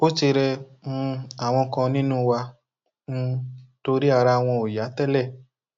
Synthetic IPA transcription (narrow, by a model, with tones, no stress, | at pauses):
o˦t͡ʃi˧ɾɛ˧mũ˧a˨w̃ɔ̃˧kã˧nĩ˦nũ˦˧wa˧ | n̩˧to˧ɾi˦a˦˨ɾa˧˨w̃ɔ̃˧o˨ja˨˦tɛ˦lɛ˦˨